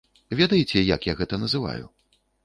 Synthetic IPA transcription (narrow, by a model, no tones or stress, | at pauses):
vʲed̪ɐjit͡sʲɛjɐ̰kjaɣɛt̪ɐnɐzɨva̰jṵ